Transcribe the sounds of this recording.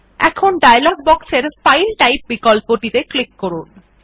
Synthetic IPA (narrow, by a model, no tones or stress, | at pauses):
ɛ̰kʰonɖajalɔɡ̚bɔkseɾsfajlʈajp̚bikɔlpoʈit̪eklikːɔɾun